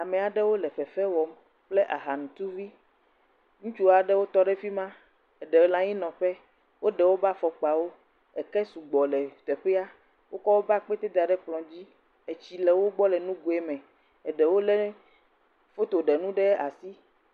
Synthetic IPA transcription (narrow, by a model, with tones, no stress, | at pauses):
a˨mẽ˨a˨ɖɛ˦wo˦lɛ˨ɸɛ˨fɛ˦wɔ˨m | k͡ple˦ʔa̰˨ɦa˨nũ˨t̪u˦vi˦ | ŋũ˦t͡ʃu˦a˨ɖɛ˦wo˦t̪ɔ˦ɖɛ˦fi˦mã˦ | ɛ˨ɖɛ˨wo˦lã˦ɲĩ˦nɔ̃˨ɸɛ˦ | wʔo˦ɖɛ˨wo˦ba˦fɔ˨k͡pa˨wo˦ | ɛ˨kɛ˦su˨ɡ͡bɔ˨lɛ˨t̪ɛ˨ɸɛ˦a˦ | wo˦kɔ˦wo˦ba˦k͡pɛ˦t̪e˦d̪a˨ɖɛ˦k͡plɔ̃˨d͡ʑi˦ | e˨t͡ɕi˨lɛ˨wo˦ɡ͡bɔ˦lɛ˨nũ˦ɡu˨e˨mɛ̃˨ | ɛ˨ɖɛ˨wo˦lɛ˦ | fo˦t̪o˨ɖɛ˨nũ˦ɖɛ˦a̰˨si˦